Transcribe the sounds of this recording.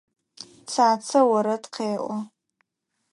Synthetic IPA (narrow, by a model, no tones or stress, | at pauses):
t͡sʰaːt͡sʰawaɾadqʰeːʔʷʼa